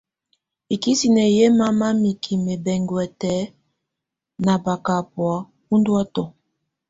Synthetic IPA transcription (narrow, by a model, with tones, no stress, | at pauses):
i˨ki˦si˨nɛ˨je˦ma˦ma˦mi˨kʰi˨me˨bɛ˨ŋɡwɛ˨tɛ˨˦ | na˨ba˨ka˨pwa˨˦ | u˦ndwa˦tɔ˨